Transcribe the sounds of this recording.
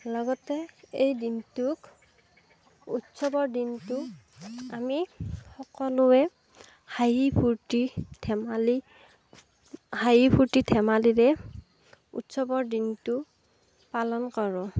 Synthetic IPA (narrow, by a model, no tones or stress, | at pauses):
lɔɡɔtɛejdintʊk | utsɔbɔɹdintʊ | amixɔkɔlʊɛ | hajipʰuɹtitʰɛmali | hajipʰuɹtitʰɛmaliɹɛ | ṵtsɔbɔɹdintʊ | palɔnkɔɹʊ̃